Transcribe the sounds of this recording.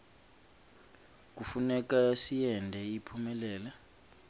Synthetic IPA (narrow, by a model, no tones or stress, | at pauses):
k̬ʼufunɛk̬asijɛndʱɛipʰumɛlɛːla